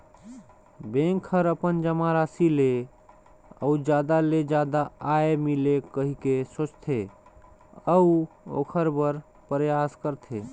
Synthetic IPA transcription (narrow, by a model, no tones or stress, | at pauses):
bẽŋkʰəɾəpənd͡ʒəmaɾasile | ə̰ud͡ʒjad̪aled͡ʒad̪aaemilekəɦikesot͡ʃt̪ʰe | əuo̰kʰəɾbəɾ | pəɾjaskəɾt̪ʰe